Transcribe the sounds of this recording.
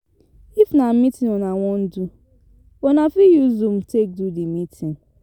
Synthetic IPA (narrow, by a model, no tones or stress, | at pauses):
ifnamitĩnɔnawɔ̃n̩du | ɔnafijuzũmtek̚dudimitʰĩn